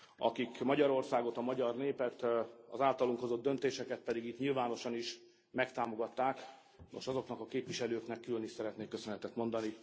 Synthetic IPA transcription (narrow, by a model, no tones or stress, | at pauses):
ɒ̰kikmɒɟɒɾo̞rsaːɡo̞t̪ɒmɒɟɒrneːpɛt̪ɒ̰zaːlt̪ɒluŋkho̞zo̞d̪ːø̞nt̪eːʃɛkɛt̪̚pɛd̪iɡit̪ɲilvaːno̞ʃɒniʃ | mɛkt̪aːmo̞ɡɒt̪ːaːk | nʔo̞̰ʃɒzo̞knɒkɒkeːpvʋiʃɛløːknɛkːyløniʃsɛɾɛt̪neːkːøsønɛt̪ɛt̪mo̞nd̪ɒni